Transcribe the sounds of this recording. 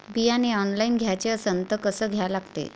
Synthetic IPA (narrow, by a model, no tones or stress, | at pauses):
bijaneɔnlainɡʱjat͡ɕeəsənt̪əkəsəːɡʱjalaɡt̪ḛ